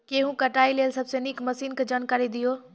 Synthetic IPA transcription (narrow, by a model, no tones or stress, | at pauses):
keɦũkɐʈaːilelsɐbsenikmɐsiːnked͡ʒaːnkaːɾid̪ijoː